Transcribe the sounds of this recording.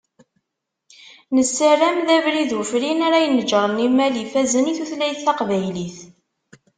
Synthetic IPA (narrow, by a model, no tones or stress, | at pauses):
nəsːərːæmðævɾiðufɾinaɾæjənəd͡ʒəɾˤənimælifæzəniθuθlæjθːɑqvæjliθ